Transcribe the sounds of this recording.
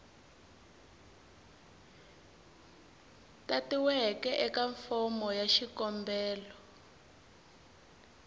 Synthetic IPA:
tatiwɛkɛʔɛkaɱfɔmɔjaʃikɔmbɛːlɔ

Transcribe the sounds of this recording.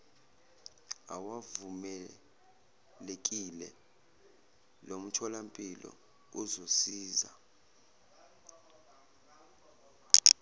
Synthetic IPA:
awavumɛ | lek̬ʼilɛ̰ | lom̩t͡ʃʰɔlampʼilɔ̰ | uzosiːza

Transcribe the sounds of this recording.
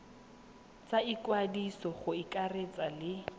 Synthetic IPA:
t͡sʼaikwadisɔχʊikʼaret͡sʼalɪ

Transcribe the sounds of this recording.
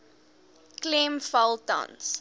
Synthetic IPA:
klẽmfalˠtɔ̰̃ns

